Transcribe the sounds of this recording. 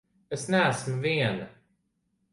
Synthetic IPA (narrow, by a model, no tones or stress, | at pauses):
ɛsnæːsmveːn